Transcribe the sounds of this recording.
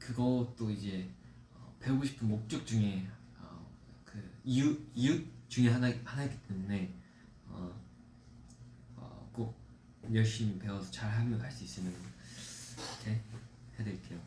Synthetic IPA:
kɯɡʌt͈oid͡ʑe̞ | ʌpe̞ɡoɕʰi̥pʰɯnmok̚t͡ɕ͈ok̚t͡ɕ͈uŋe̞ | ʌ̰kɯiuiut͡ɕ͈uŋe̞ɦanhanaɡit͈emune̞ | ʌ | ʌ̰k͈ok̚ | jʌɭɕ͈imipe̞wʌsʰʌt͡ɕaɭɦamjʌnkaɭs͈uis͈ɯnɯn | kʰehejade̞ɭk͈e̞jo

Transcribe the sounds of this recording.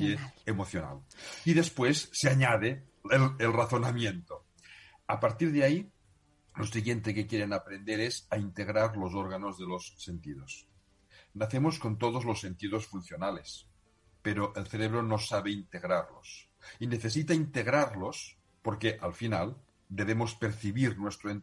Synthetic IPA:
eemoθjona̰liðespwesːeaɲað̞e | lelraθonamjent̪o | apaɾt̪iɾðeai | losiɣjent̪ekekjeɾenapɾend̪eɾezaint̪eɣɾaɾlozoɾɣanozðelosːent̪iðos | naθemoskont̪oð̞ozlosːe̞nt̪iðosfunθjonales | peɾoʔelθeɾeβɾonosaβeint̪eɣɾaɾlo̰s | ineθes̬it̪aint̪eɣɾaɾlos | poɾkeʔalfinal | d̪eβemospeɾθiβiɾnwest̪ɾoen

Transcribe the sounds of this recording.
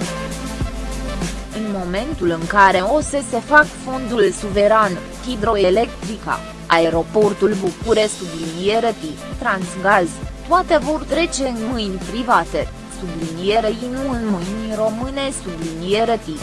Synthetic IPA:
ɨnmo̞me̞nt̪ulɨŋkaɾe̞o̞se̞se̞fakfo̞nd̪ulsuve̞ɾan | hid̪ɾo̞elekt̪ɾika̰ | ʔa̰e̞ɾo̞po̞rt̪ulbukuɾesublinijeɾət̪ikt̪ɾansɡazt̪uat̪evo̞rt̪ɾe̞t͡ʃe̞ɨnmɨjnʲpɾivat̪e̞ | sublinijeɾeinuɨnmɨjnʲro̞mɨne̞sublinijeɾət̪i

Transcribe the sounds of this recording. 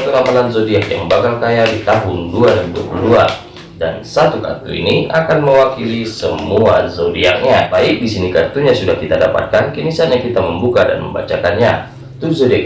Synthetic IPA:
t̪ulampalanzodiakja̰ŋbakalkajadit̪aɦʊnduaɾibukəlua | dansat̪uka̰t̪ṵḭniakanməwakilisəmuazodiak̚ɲabaik̚disinikart̪uɲasudahkit̪adapa̰t̪̚kankinisaɲakit̪aməmbukada̰nmə̰mba̰t͡ʃakanɲa | t̪uzodiak

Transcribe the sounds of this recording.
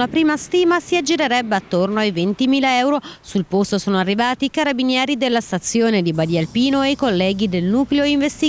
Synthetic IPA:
lapɾiːmast̪iːmasiad͡ʒiɾeɾɛbːeat̪ːornoajvent̪imiːlaɛwɾosulpost̪osoːnoarːivaːt̪iːkaɾabinjɛːɾid̪elːast̪at̪sːjoːned̪ibad̪ialpiːnoejkolːɛːɡid̪elnuːkleoiɱvest̪i

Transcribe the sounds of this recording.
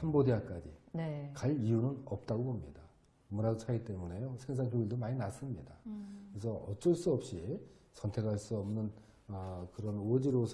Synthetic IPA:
ambodeak͈ad͡ʑinekaʎijunɯnʌp̚t͈aɡobomɲida | munadosʰait͈e̞mune̞josʰe̞ŋs̬ʰaŋkoiɭdomaɲinas͈ɯmɲidakɯɾesʰʌʌt͡ɕ͈ʌɭs͈uʌp̚ɕ͈i | sʰʌntʰe̞kʰaɭs͈uʌmnɯn | ʌkɯɾʌnʌd͡ʑiɾosʰ

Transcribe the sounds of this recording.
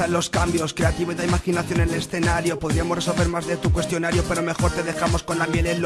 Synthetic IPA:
alo̞skambjo̞skɾe̞at̪iβoiðeimaxinaθjonenle̞sθe̞naɾjo̞poðɾiamo̞re̞so̞lβe̞ɾmazðe̞t̪ukwe̞st̪jo̞naɾjo̞peɾo̞me̞xo̞ɾt̪e̞ðe̞xamo̞sko̞nlamje̞lenl

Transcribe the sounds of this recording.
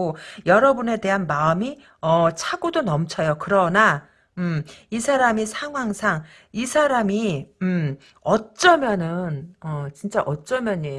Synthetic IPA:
ojʌɾʌbune̞te̞ɦanmaɯmi | ʌt͡ɕʰaɡodonʌmt͡ɕʰʌjokɯɾʌna | ɯmisʰaɾamisʰaŋwaŋsʰaŋ | isʰaɾamim | ʌt͡ɕ͈ʌmjʌnɯnʌt͡ɕint͡ɕ͈aʔʌt͡ɕ͈ʌmjʌɲe

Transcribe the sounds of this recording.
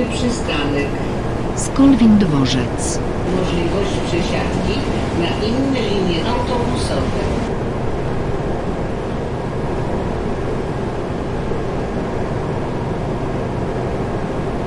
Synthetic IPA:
pʂɘst̪anɛk | skɔlvʲind̪vɔʐɛt̪s | mɔʐlʲivɔɕt͡ɕpʂɛɕat̪kʲi | naʔinːɛlʲimʲjɛsɔ̃wt̪ɔ̃usɔvɛ

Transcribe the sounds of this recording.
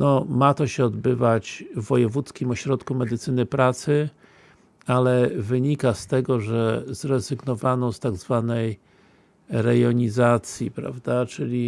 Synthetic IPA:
nɔmat̪ɔɕɛɔd̪bɘvat͡ɕvːɔjɛvut̪skʲimɔɕɾɔt̪kumɛd̪ɘt̪sɘnɘpɾat̪sɘ | alɛvɘɲikast̪ɛɡɔʐɛzɾɛzɘɡnɔvanɔst̪aɡzvanɛj | ɾɛjɔɲizat̪sʲjipɾa̰vd̪at͡ʂɘlʲi

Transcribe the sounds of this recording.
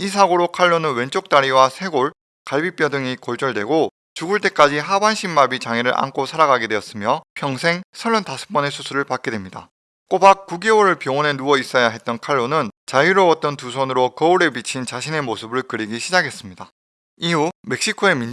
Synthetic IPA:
isʰaɡoɾokʰaɭːonɯnwe̞nt͡ɕ͈ok̚t͈aɾiwasʰe̞ɡoɭ | kaɭbip͈jʌdɯŋikʌɭt͡ɕ͈ʌɭdwe̞ɡo | t͡ɕuɡuɭt͈e̞k͈ad͡ʑiɦabanɕʰimːabit͡ɕaŋeɾɯɾʔa̰nkʰosʰaɾaɡaɡedwe̞ʌs͈ɯmjʌpʰjʌŋsʰe̞ŋsʰʌɭːʌntasʰɯ̥p͈ʌne̞sʰusʰuɾɯɭpak͈̚e̞dwe̞mɲida̰ | k͈obak̚k͈ːuɡeoɾɯɭpjʌwʌne̞nuʌis͈ʌjaɦe̞t̚t͈ʌnkʰaɭːonɯnt͡ɕaiɾoʌt̚t͈ʌnt̬usʰʌnɯɾokʌuɾe̞bit͡ɕʰint͡ɕaɕʰine̞mosʰɯbɯɭkɯɾiɡiɕʰid͡ʑaɡʰe̞s͈ɯmɲida | iume̞k̚ɕ͈ikʰoe̞min

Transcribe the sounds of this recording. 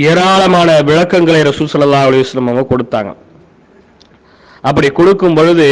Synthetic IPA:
eːɾaːɭɐmaːnɐʋɪɻɐkːɐŋɡɐɭɐɪɾɐsuːlsɐlːɐlːaːɦʊɐlɐjʋɐsɐlːɐmɐʋɐ̃kɔɽɯt̪ːa̰ːŋɡɐ̰ | ʔɐp̬ːɐɽikɔɽɯkːɯmpɔɻɯðɯ

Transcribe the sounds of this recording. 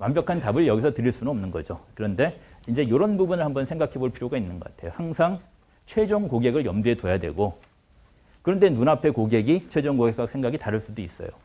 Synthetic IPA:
mambjʌkʰantabɯɭjʌɡisʰʌtɯɾiɭs͈unɯʌmnɯnɡʌ̰d͡ʑokɯɾʌnde̞ind͡ʑe̞joɾʌnbubunɯɭhambʌnsʰe̞ŋɡakʰe̞boɭpʰiɾjoɡainːɯnɡʌk͈a̰tʰe̞johaŋsʰaŋ | t͡ɕʰwe̞d͡ʑoŋkoɡe̞ɡɯɭjʌmduetojadwe̞̰ɡo | kɯɾʌndenunapʰe̞koɡe̞ɡit͡ɕʰwe̞d͡ʑoŋɡoɡekʰːak̚sʰeŋɡaɡitaɾɯɭs͈udois͈ʌ̰jo̰

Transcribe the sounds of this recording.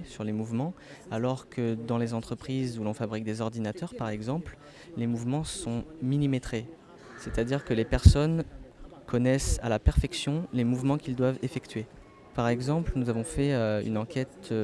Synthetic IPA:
syʁlemuvmɑ̃alɔʁkʰəd̪ɑ̃lezɑ̃t̪χəpχizulɔ̃fabʁik̚d̪ezɔʁd̪inat̪œʁpaʁɛɡzɑ̃pl | lemuvmɑ̃sɔ̃milimet̪χe | set̪ad̪iʁkəlepɛʁsɔnkʰɔnɛsa̰lapɛʁfɛksjɔ̃lemuvmɑ̃kʲild̪wavefɛkt̪ɥe | paʁɛɡzɑ̃plnuzavɔ̃fɛøy̰nɑ̃kʰʲɛt̪

